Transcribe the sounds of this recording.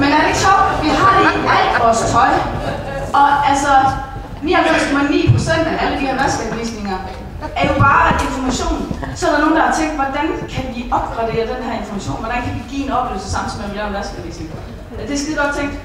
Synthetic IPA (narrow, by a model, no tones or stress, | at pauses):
menæɐdeɕɒʊ̰d̥ʋiɦɑ̈iːæl̥ʋɒːst͡sʰʁɒ̽ɪ | ɒ̽ælsɒ | ʋiɑmem̰skʰɒ̽mænḭːpʰʁo̝sen̰d̥æʔæləd̥ihæɐʋæsɡ̥æb̥ʋḭsne̝ŋɐ | æɐjo̝b̥ɑ̈ːe̝nfɒmæɕo̝̰ːnsɒ̽æɾɑno̝ːn̩d̥ɑhɑt͡sʰeŋ̰d̥ʋɒd̥ænkʰæʋiʔɒ̽b̥ɡ̥ʁɑ̈d̥e̝̰ːɐd̥enɦæɐe̝nfɒmæɕo̝̰ːnʋɒɾ̥ænkʰædiɡ̥ḭːenɒ̽b̥le̝ʊl̩səsɑ̈m̰n̩sɒmeblenmʋæsɡ̥æʋḭːsne̝ŋɐ | d̥e̝sɡ̥æd̥iɡ̥ɒ̽d̥̚t͡sʰeŋ̰d̥